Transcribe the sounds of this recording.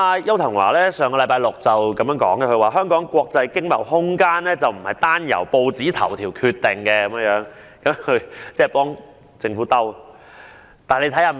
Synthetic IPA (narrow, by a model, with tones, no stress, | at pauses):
a˧jɐ˥wt̪ʰɐ˨˩ŋwa̰ː˨˩lɛː˥sœː˨˧ŋkɔː˧lɐ˨˧jpaː˧jlʊ˨k̚t͡sɐ˨wkɐ˨˧mjœː˨˧˥ŋkɔ̰ː˨˥ŋɡɛ˧kʰɵ˧waː˨˩ɦœː˥ŋkɔː˨˥ŋkʷɔː˧k̚t͡sɐ˧jkɪ˥ŋmɐ̰˨˩whʊ˥ŋkaː˥nlɛː˥t͡sɐ˨˩wm̩˨˩hɐ˨˩jt̪aː˥njɐ̰˨˩wpo˧wt͡siː˨˥t̪ʰɐ˨˩wt̪ʰiː˨˩wkʰyː˧t̪ːe˨˩ŋkɛ˧kɐ˨˦mə˧ŋjœː˨˥ŋ | kɐ˨˥mkʰɵ˨˧ɥt͡sɛː˥˩pɔː˥ŋ | t͡sɪ˧ŋfuː˨˥t̪ɐ˥w | t̪aː˨˩nle˧t̪ʰɐ˨˥jhaː˨˧